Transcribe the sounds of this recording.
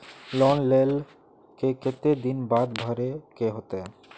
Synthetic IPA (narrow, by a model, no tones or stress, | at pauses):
lɔnlel | keket̪ed̪inbad̪bʱaɾekeɦot̪e